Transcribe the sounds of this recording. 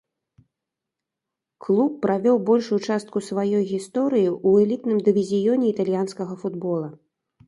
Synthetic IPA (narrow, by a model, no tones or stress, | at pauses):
klˠupːɾavʲɔwbɔlʲʂut͡ʂast̪̚kusvajɔjɣʲist̪ɔɾɨjiʔuɛlʲit̪nɨmd̪ɨvʲizʲijɔnʲɛit̪alʲjanskɐɣɐfud̪bɔlˠɐ